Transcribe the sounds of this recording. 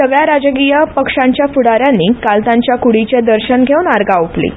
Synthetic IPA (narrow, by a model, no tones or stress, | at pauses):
səɡɭjaɾad͡ʑɡijəpəkʂãɲt͡ɕjafuɽaɾjanːiːkalt̪ãɲt͡ɕjakuɽit͡ɕẽd̪əɾɕənɡʱewnaɾɡauplḭ